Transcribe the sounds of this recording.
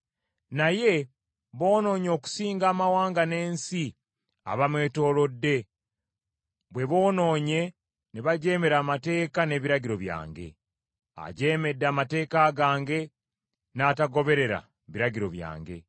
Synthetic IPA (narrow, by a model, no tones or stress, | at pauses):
naje̞ | βo̞ːno̞ːɲo̞ːku̥siːŋɡaːmawaːŋɡane̞ːnsi | a̰βamwe̞ːto̞ɾo̞dːe̞ | βwe̞βo̞ːno̞ːɲe̞ | neβaɟe̞ːme̞ɾaːmate̞ːkane̞ːβiɾaɟiɾo̞βja̰ːŋɡe̞̰ | a̰ɟe̞ːme̞dːaːmate̞ːkaːɡaːŋɡe̞ | naːtaɡo̞βe̞ɾe̞ɾa̰ | βiɾaɟiɾo̞̰βja̰ːŋɡe̞̰